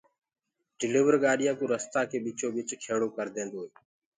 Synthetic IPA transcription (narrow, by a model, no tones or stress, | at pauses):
ɖɪliːʋəɾɠaːɗɪjãːkuːɾəst̪aːkʰeːɓiːt͡ʃʰoːɓɪt͡ʃkʰeːɽoːkəɾd̪ẽːnd̪oːɦeː